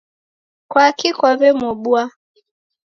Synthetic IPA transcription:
kwakikwaβɛmɔɓua

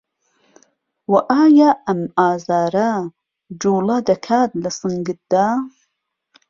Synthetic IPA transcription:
wɐʔaːjaɐmaːzaːɾa | d͡ʒuːlad̪ɐkʰaːt̪lɐsɨŋɡɨt̪̚d̪a

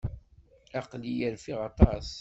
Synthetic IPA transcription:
ɑqlijæɾfiʁɑt̪ˤɑs

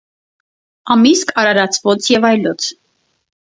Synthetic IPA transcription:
ɑmiskʰɑɾɑɾɑt͡sʰvɔt͡sʰjɛvɑjlɔt͡sʰ

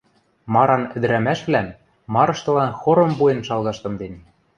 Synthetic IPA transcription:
mɑɾɑnɘ̆d̪ɘ̆ɾæmæʃβlæm | mːɑɾɤ̆ʃt̪ɤ̆lɑnxoɾɤ̆mbuenʃɑlˠɣɑʃt̪ɤ̆md̪en

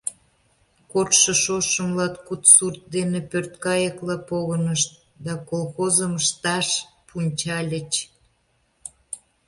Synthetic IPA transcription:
korʃəʃoʃəmlɑt̪kut̪surt̪̚d̪enepørt̪̚kɑjəklɑpoɣənəʃt̪̚ | d̪ɑkolxozəməʃt̪ɑʃpʰunʲt͡ɕɑlʲət͡ɕ

